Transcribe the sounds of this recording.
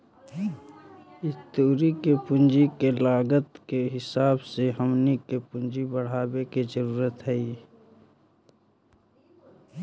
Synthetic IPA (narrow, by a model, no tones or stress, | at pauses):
ɪst̪uːɾikepʊ̃nd͡ʒikelaːɡət̪keɦɪsaːbseɦəmnikepʊ̃nd͡ʒibəɽ̤aːbekizəɾuːɾət̪ɦɛi